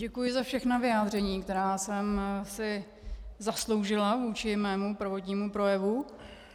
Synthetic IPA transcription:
ɟɛkujɪzafʃɛxnavɪjaːd̪r̝ɛɲiːkt̪ɛɾaːsɛmsɪ | zaslo̞wʒɪlavuːt͡ʃɪmɛːmupɾ̩vot̪ɲiːmupɾo̞jɛvu

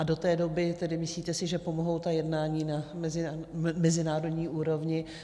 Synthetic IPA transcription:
ado̞t̪ɛːdo̞bɪt̪ɛdɪmɪsliːt̪ɛsɪʒɛpo̞moɦo̞wt̪ajɛdnaːɲiːnamɛzɪmɛzɪnaːɾo̞dɲiːʔuːɾo̞vɲɪ

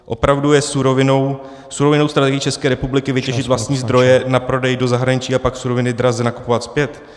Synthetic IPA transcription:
ʔo̞pɾavdujɛsuɾovɪno̞w | suɾo̞vɪnowst̪ɾat̪ɛɡɪiːt͡ʃɛskɛːɾɛpublɪkɪvɪcɛʒɪt̪vlast̪ɲiːzd̪ɾo̞jɛnapɾo̞dɛjdo̞zaɦɾaɲɪt͡ʃiːapaksuɾo̞vɪnɪd̪ɾazɛnaku̥povat̪spjɛt̪

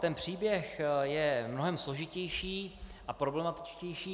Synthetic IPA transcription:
t̪ɛnpr̝̥iːbjɛxjɛmno̞ɦɛmslo̞ʒɪcɛjʃiːʔapɾoblɛmat̪ɪ̥t͡ʃcɛjʃiː

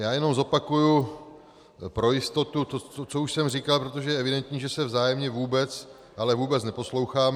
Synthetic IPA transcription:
jaːjɛno̞mzo̞pakuju | pɾo̞jɪst̪ot̪ut̪oot͡souʃsɛmrikalpɾot̪̬o̞ʒɛjɛʔɛvɪdɛnt̪ɲiːʒɛsɛvzaːjɛmɲɛvuːbɛt͡s | ʔalɛvuːbɛt͡snɛpo̞slo̞wxaːm

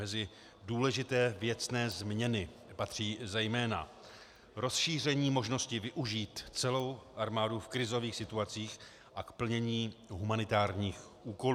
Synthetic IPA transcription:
mɛzɪ | duːlɛʒɪt̪ɛːvjɛt͡snɛːzmɲɛnɪ | pat̪r̝̥iːzɛjmɛːna̰ | ɾo̞sʃiːr̝ɛɲiːmo̞ʒno̞scɪvɪʔuʒiːt̪t͡sɛlo̞wʔaɾmaːdufkɾɪzo̞viːxsɪt̪uat͡siːx | ʔakpl̩ɲɛɲiːɦumanɪt̪aːɾɲiːx | ʔuːko̞

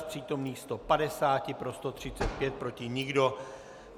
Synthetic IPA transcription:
pr̥iːt̪o̞mniːst̪o̞padɛsaːcɪpɾo̞st̪o̞t̪r̝̥ɪt͡sɛt̪̚pjɛt̪̚pɾo̞cɪɲɪɡdo̞

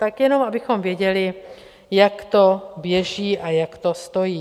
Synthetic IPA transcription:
t̪akjɛno̞mabɪxo̞mvjɛɟɛlɪ | jakt̪o̞bjɛʒiːʔajakt̪o̞st̪o̞jiː

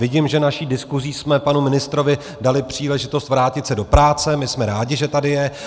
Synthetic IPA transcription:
vɪɟimʒɛnaʃiːdɪskuziːsmɛpanumɪnɪst̪ɾo̞vɪ | dalɪpr̝̥iːlɛʒɪt̪ost̪vɾaːcɪt̪sɛdo̞pɾaːt͡sɛmɪsmɛɾaːɟɪʒɛt̪adɪjɛ

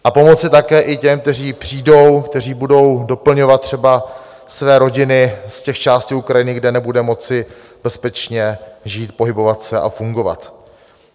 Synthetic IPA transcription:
ʔapo̞mo̞t͡sɪt̪akɛːʔɪcɛmk̚t̪ɛriːpr̝̥iːdo̞wkt̪ɛr̝iːbudo̞wdo̞pl̩ɲo̞vat̪̚t̪ːr̝̥ɛba | svɛːɾo̞ɟɪnɪscɛxt͡ʃaːscɪukɾajɪnɪɡdɛnɛbudɛmo̞t͡sɪ | b̥ɛspɛt͡ʃɲɛʒiːt̪̚po̞ɦɪbo̞vat̪sɛʔa̰fuŋɡo̞va̰t̪

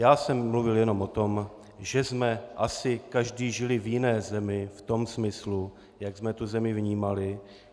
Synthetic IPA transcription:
jaːsɛmːluvɪljɛno̞mʔo̞t̪o̞m | ʒɛzmɛʔasɪkaʒdiːʒɪlɪvjɪnɛːzɛmɪft̪o̞msmɪslu | jaɡzmɛt̪uzɛmɪvɲiːmalɪ

